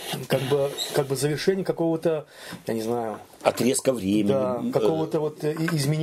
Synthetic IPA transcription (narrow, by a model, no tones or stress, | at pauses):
kaɡ̚bɨkaɡ̚bɨzəvʲɪrʂɛnʲɪjəkɐko̞vət̪ə | janʲɪznajʊ | ɐt̪ɾʲeskəvɾʲeemʲɪd̪akɐko̞vət̪əvo̞t̪ɪzmʲɪnʲ